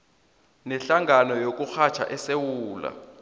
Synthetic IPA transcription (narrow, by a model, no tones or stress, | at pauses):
nɛɬaŋanɔjok̬ʼuxat͡ʃʰa̰ʔɛsewuːla̰